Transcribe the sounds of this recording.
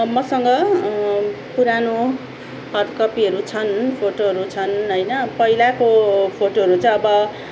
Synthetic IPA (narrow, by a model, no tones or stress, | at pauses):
mʌsʌŋɡʌ | puɾano | hʌdkʌpiɦʌɾut͡sʰʌnpʰoʈoɦʌɾut͡sʰʌnɦʌjnʌpʌilakopʰoʈoɦʌɾut͡sʌ̃ʌbʌ